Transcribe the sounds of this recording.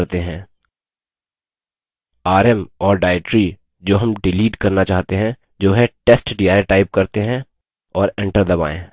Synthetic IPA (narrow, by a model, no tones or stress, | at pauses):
ɾt̪eɦɛ̃ː | aːɾɛmɔːɾɖaːɪʈɾi | d͡ʒoːɦɐmɖɪliːɖkɐɾnat͡ʃaːɦt̪eɦɛ̃ | d͡ʒoːɦɛʈeːsʈɖiːaːɪʈaːɪp̚kɐɾt̪eɦɛ̃ | ɔːɾẽɳʈəɾd̪ɐba̰ːḛ̃ː